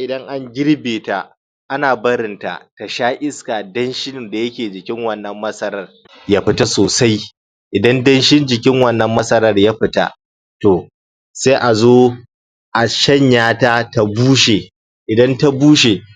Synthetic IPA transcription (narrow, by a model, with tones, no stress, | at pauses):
ʔɪ˨dɐ˦ŋʔa˦ŋɡʲɪ˦ɽbeː˨ta˨ | ʔa˦naː˨bɐ˦ɾɪ˨nta̰˨ta˨ʃaː˦ʔɪ˦skaː˨dɐ˦nʃɪ˦n˨da˨jɐ˦kʲeː˨d͡ʒɪ˨kʲɪ˦ŋwɐ˦˨nːɐ˨mːɐ˦sɐ˦ɾɐ˦˨r | jaː˦ɸɪ˦ta˦soː˨sa˦j | ʔɪ˨dɐ˦ndɐ˦nʃɪ˦nd͡ʒɪ˨kʲɪ˦ŋwɐ˦˨nːɐ˨mːɐ˦sɐ˦ɾɐ˦˨rjaː˦ɸɪ˨ta̰˦ | to˨ | se˦ʔa˨zoː˦ | ʔa˨ʃɐ˦ɲjaː˦taː˦ta˨buː˦ʃe˨ | ʔɪ˨dɐ˦nta˦buː˦ʃe˨